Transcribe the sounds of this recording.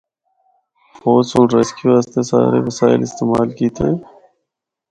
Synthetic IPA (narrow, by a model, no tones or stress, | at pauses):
foːsõːɾeskiʋaːst̪esa̰ːɾḛʋəsaːɪlɪst̪eːmaːlkiːt̪ʰee